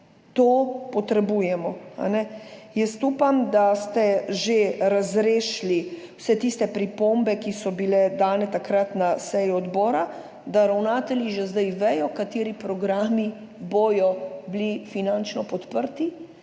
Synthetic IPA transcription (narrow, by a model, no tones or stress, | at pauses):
t̪oːpɔt̪ɾɛbuːjɛmɔa̰nɛjɛst̪uːpamd̪ast̪ɛʒeɾazɾeːʃli | wsɛt̪ist̪ɛpɾipombɛkisɔbilɛd̪aːnɛt̪akɾat̪nasɛjiɔd̪bɔːɾa | d̪aɾawnaːt̪ɛljiʒezd̪ajʋɛjɔkat̪eːɾipɾɔɡɾaːmi | bɔjɔblifinant͡ʃnɔpɔt̪pəɾt̪i